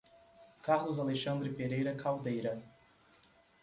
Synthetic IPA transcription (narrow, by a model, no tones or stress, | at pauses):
kaɾlʊzaleʃɐ̃nd̪ɾɪpeɾejɾɐkʰawd̪ejɾɐ